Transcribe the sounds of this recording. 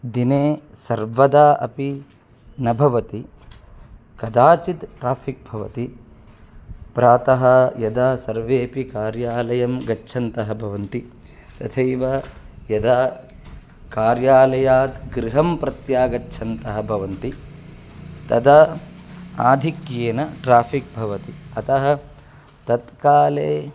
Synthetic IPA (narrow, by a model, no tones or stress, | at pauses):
d̪ineːsɐɾʋɐd̪aːɐ̰pi | nɐbʱɐʋɐt̪i | kɐd̪aːt͡ʃit̪ʈɾaːfik̚bʱɐʋɐ̰t̪i | pɾaːt̪ɐɦɐjɐd̪aːsɐɾʋeːɐpikaːɾjaːlɐjɐmɡɐt͡ʃːʃʰɐnt̪ɐɦɐ̆bʱɐʋɐnt̪i | t̪ɐt̪ʰejʋɐjɐd̪aː | kaːɾjaːlɐjaːd̪ɡɾiɦɐmpɾɐt̪jaːɡɐːʃʰɐnt̪ɐɦɐ̆bʱɐʋɐnt̪i | t̪ɐd̪ɐ | aːd̪ʱikjeːnɐʈɾaːpʰik̚bʱɐʋɐt̪iɐt̪ɐɦɐ̆ | t̪ɐt̪kaːleː